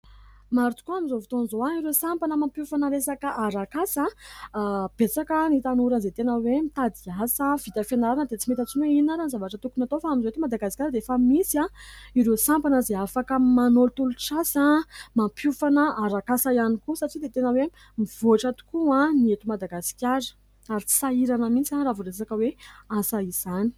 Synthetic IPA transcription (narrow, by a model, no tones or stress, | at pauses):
maɾut͡s̪u̥kuamizovut̪onizoaiɾesampanəmampjufanəɾesakəʔaɾakasə | b̥et͡sakənit̪anuɾənzet̪enəwemit̪ad̪iasəv̥it̪ʲafenaɾanəd̪et͡simet̪at͡sineinaɾanizavaʈ͡ʂət̪ukunat̪ofaamizowet̪umad̪aɡasi̥kʲaɾd̪eefəmisiãiɾesampanəzeafakəmanolut̪uluʈ͡ʂasamampʰufanəaɾakasaianikusaʈ͡ʂid̪et̪enəwe | miv̥oaʈ͡ʂat̪u̥kuãniet̪umad̪aɡasi̥kʲaɾə̥ | aɾit͡si̥saiɾanəmit͡saravoɾesakəweasaiz̥ani̥